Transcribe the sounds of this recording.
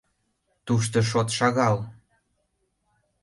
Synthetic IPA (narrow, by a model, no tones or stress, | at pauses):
t̪uʃ̬t̪ɤʃ̬ot̪ʃɑɣɑl